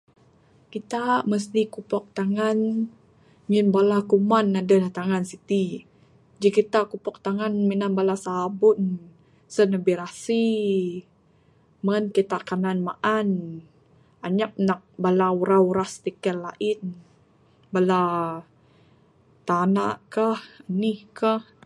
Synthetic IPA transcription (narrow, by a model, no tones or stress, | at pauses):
kit̪aməst̪ikupɔk̚t̪aŋan | ɲinbalakumanadalat̪aŋansit̪i | d͡ʒikit̪akupɔk̚t̪aŋanminanbalasabʊn | sənəbiɾasi | mənkit̪aʔkananmaʔan | ʔaɲak̚nak̚balauɾauɾast̪ikɛlaʔɪn | bala | t̪anaʔkahənihkah